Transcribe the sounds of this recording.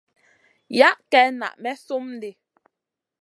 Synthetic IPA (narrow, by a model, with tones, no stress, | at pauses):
ja˦ʔkɛ˦na̰˨ʔmɛ˦so˦m˦de˨